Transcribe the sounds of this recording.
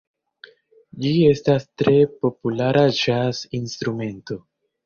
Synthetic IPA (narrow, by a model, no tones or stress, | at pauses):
d͡ʒie̞stastɾe̞po̞pulaɾad͡ʒasinstɾume̞nto̞